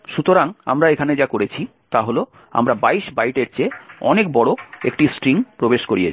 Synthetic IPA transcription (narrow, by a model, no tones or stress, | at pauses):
ʃut̪oɾaŋa̰mɾaekʰaned͡ʑakoɾet͡ɕʰi | t̪aɦolo | a̰mɾabaiʃbajʈeɾt͡ɕeɔnek̚bɔɽoekʈisʈɾiŋpɾobeʃkoɾie